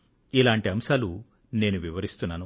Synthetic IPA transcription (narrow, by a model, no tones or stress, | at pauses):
ilaːɳʈiɐmʃaːlu | ne̞ːnuʋiʋɐɾist̪unːaːnu